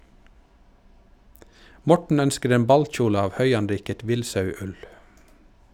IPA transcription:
ˈmɔʈɳ̩ ˈœnskəɾ ˈeːm ˈbɑlc͡çuːlə ˈɑːʋ ˈhœʏɑnˌɾiːkət ˈʋɪlsɑʉˌʉl

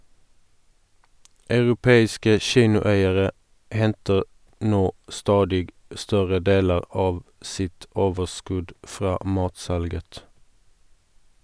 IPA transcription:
ɑʉʁʊˈpeːɪskə ˈʃiːnʊˌæɪəʁə ˈhɛntəʁ ˈnoː ˈstɑːdɪɡ ˈstœʁə ˈdeːlə ˈɑːʋ ˈsɪt ˈoːʋəʁˌskʉd ˈfʁɑː ˈmɑːtˌsɑlɡət

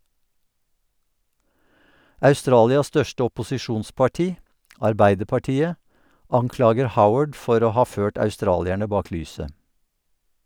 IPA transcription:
ʔɑʉˈstɾɑːlɪɑs ˈstœʃtə ɔpʊsɪˈʃuːnspɑˌʈiː ɑɹˈbæɪdəɹpɑˌʈiːə ˈɑŋˌklɑːɡəɹ ˈhaʊəd ˈfɔɾ ˈoː ˈhɑː ˈføːʈ ɑʉˈstɾɑːlɪɛɳə ˈbɑːk ˈlyːsə

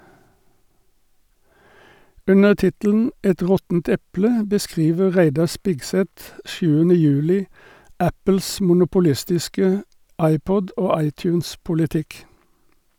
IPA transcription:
ˈʉnəʁ ˈtɪtəl̩n̩ ˈɛt ˈʁɔtn̩t ˈɛplə bəˈskʁiːʋə ˈʁæɪdɑʁ ˈspɪɡˌsɛt ˈʃʉːənə ˈjʉːlɪ ˈæpəls mʊnʊpʊˈlɪstɪskə ˈɑɪˌpɔd ˈoː ˈɑɪˌtjʉːnspʊlɪˌtɪk

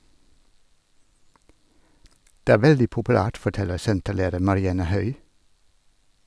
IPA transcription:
ˈdeː ˈæː ˈʋɛldɪ pʊpʉˈlæːʈ fɔˈʈɛləɾ ˈsɛntəˌleːdəɾ mɑɾɪˈɑnə ˈhœʏ

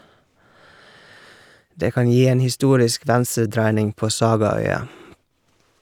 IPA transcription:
ˈdeː ˈkɑn ˈjiː ˈeːn hɪˈstuːɾɪsk ˈʋænsəˌdɾæɪnɪŋ ˈpoː ˈsɑːɡɑˌœʏɑ

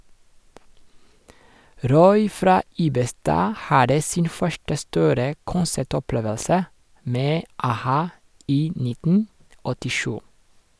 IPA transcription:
ˈɾɔʏ ˈfɾɑː ˈiːbəˌstɑː ˈhɑdə ˈsɪn ˈfœʃʈə ˈstuːɾə ˈkʊnsæˌʈɔˌpleːʋəlsə ˈmeː ɑˈhɑː ˈiː ˈnɪtn̩ ɔtɪˈʃʉː

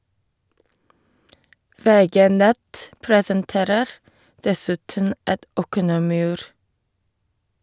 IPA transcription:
ˈʋeːˌɡeː ˈnɛt ˈpɹeːsənˌteːɾəɾ ˈdɛsʉtən ˈɛt ˈɔkənəmɪˌʉːɾ

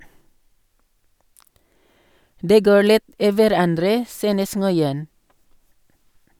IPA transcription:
ˈdeː ˈɡoːɹ ˈlɪt ˈiː ʋæˈɾɑndɾə ˈsyːnəs ŋɔʏˈɛn

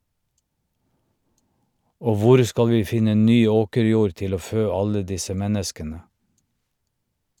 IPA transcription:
ˈoː ˈʋʊɾ ˈskɑl ˈʋiː ˈfɪnə ˈnyː ˈoːkəɾˌjuːɾ ˈtɪl ˈoː ˈføː ˈɑlə ˈdɪsə ˈmɛnəskənə

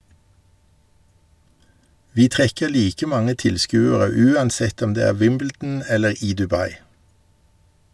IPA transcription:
ˈʋiː ˈtʁɛkəʁ ˈliːkə ˈmɑŋə ˈtɪlˌskʉːəʁə ˈʉːɑnˌsɛt ˈɔm ˈdeː ˈæː ˈʋɪmbl̩dn̩ ˈɛləʁ ˈiː dʉˈbɑɪ

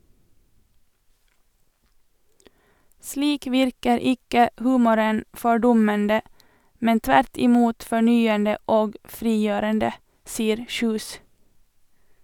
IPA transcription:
ˈsliːk ˈʋɪɾkəɾ ˈɪkə ˈhʉːmʊɾən fɔˈɖʊməndə ˈmɛn ˈtʋæɾt ɪˈmuːt fɔˈɳyːəndə ˈoːɡ ˈfɾiːˌjøːɾəndə ˈsiːəɾ ˈçʉːs

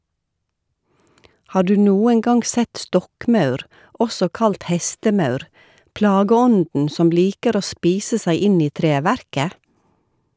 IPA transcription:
ˈhɑː ˈɖʉː ˈnuːəŋ ˈɡɑŋɡ ˈsɛt ˈstɔkˌmɑʉɾ ˈɔsɔ ˈkɑlt ˈhɛstəˌmɑʉɾ ˈplɑːɡəˌɔndn̩ ˈsɔm ˈliːkəɾ ˈoː ˈspiːsə ˈsæɪ ˈɪn ˈiː ˈtɾeːʋæɾkə

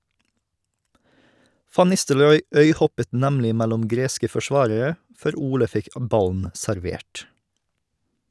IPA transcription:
ˈfɑn ˈnɪstəlɾɔʏ ˈœʏˌhɔpət ˈnæmlɪ ˈmælʊm ˈɡɾeːskə fɔˈʃʋɑːɾəɾə ˈfœɾ ˈuːlə ˈfɪk ˈʔbɑln̩ sæɾˈʋeːʈ

